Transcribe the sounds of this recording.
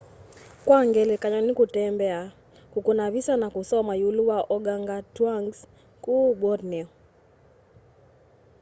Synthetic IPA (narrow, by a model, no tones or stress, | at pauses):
kwaŋɡɛlɛkaɲɔnikutɛmbɛa | kukunaβisanakusɔmajuluwaʔɔɡaŋɡatwaŋɡs | kubɔdnɛ